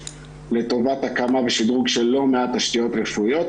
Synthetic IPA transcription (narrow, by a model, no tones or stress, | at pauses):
le̞to̞vatakamaveʃid̪ʁuɡʃelːo̞meat̪ːaʃt̪ijo̞t̪ʁefuio̞t̪